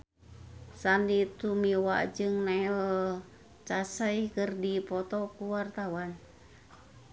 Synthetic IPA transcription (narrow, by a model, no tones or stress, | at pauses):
sandit̪umiwa̰ʔd͡ʒɨŋna | t͡ʃasəikərdipɔt̪ɔkuwart̪awan